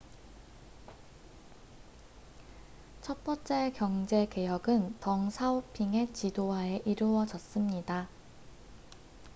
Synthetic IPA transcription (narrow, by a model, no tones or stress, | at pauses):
t͡ɕʰʌt̚p͈ʌnt͡ɕ͈e̞kjʌŋd͡ʑe̞ke̞jʌɡɯntʌŋsʰaopʰiŋe̞t͡ɕidoɦae̞ʔiɾuwʌd͡ʑʌs͈ɯmɲida